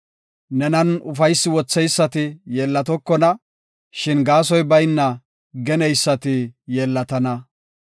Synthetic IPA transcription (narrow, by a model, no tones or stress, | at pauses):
nɛnɐnʊfɐjsːɪwɔt͡sːɛjsːɐt̪ɪjeːlːɐt̪ɔkːɔnɐ | ʃɪnɡaːsɔjbɐjnːɐ | ɡɛnɛjsːɐt̪ɪjeːlːɐt̪ɐnɐ